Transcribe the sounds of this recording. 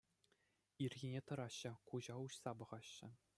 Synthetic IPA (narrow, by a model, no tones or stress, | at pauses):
irʲɡʲinʲet̪ɤ̆ɾɑɕːɘ̆kuʑɑuɕsɑbɤ̆ʁɑɕːɘ̆